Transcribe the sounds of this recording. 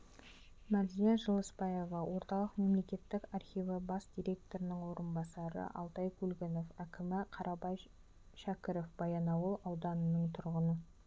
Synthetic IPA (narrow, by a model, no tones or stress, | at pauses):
mæd̪ijɑʒəlˠəspɑjevɑwo̞ɾt̪ɑlˠəqme̞mle̞kʲe̞t̪ːɪkɑrχʲijvəbɑsd̪̥ʲijɾʲe̞k̚t̪o̞ɾɪnəŋwo̞ɾənbɑsɑɾə̰ʔɑ̰lˠt̪ɑjkʲʰulɡʲɪno̞fækʲɪmɪqʰɑɾʔɑbɑj | ʃækʲɪɾofb̥ɑjɑnɑwəlˠɑwd̪ɑnənəɴt̪ʰʊɾʁənə